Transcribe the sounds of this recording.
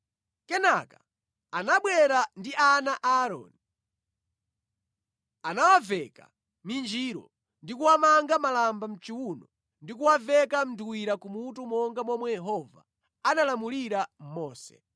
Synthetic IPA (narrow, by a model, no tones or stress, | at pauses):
kɛnaka | anaɓwɛɾandiʔanaʔaɾɔ̰ni | anawavɛka̰ | mind͡ʒiɾɔ̰ | ndikuwamaŋɡamalambam̩t͡ʃiwunɔ | ndikuwavɛkam̩duwiɾakumutumɔŋɡamwɔmwɛjɛɦɔva̰ | analamuliɾam̩mɔːsɛ̰